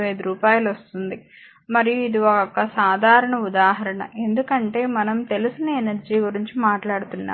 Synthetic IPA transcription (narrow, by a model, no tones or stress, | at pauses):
ʋɐjd̪iɾuːpaːjɐlʋost̪und̪i | mɐɾijuid̪iɔkɔkːɐsaːd̪ʱaːɾɐɳɐud̪aːɦɐɾɐɳɐ̰ʔe̞nd̪ukɐɳʈe̞ːmɐnɐmt̪e̞lusinɐenɐɾd͡ʒiːɡuɾiɲt͡ʃimaːʈlaːɽut̪unːa̰ː